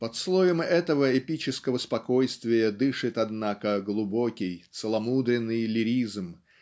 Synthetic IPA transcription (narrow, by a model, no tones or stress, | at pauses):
pɐt̪slˠojəmɛt̪əvəɪpʲit͡ɕɪskəvəspɐko̞jst̪vʲɪjəd̪ɨʂɨt̪ɐd̪nakəɡlˠʊbokʲɪjt̪səlˠɐmud̪ɾʲɪnːɨjlʲɪɾʲizm